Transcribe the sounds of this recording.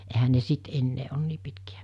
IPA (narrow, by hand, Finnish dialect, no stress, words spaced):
ehæ ne sit enːeː on niː pitkiæ